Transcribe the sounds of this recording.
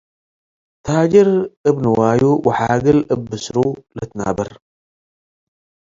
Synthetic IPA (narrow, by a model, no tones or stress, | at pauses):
t̪ʰad͡ʒɐɾʔɨbnɨwajuwɐħaɡɨlʔɨbːɨsɾulɐt̪na̰bɐɾ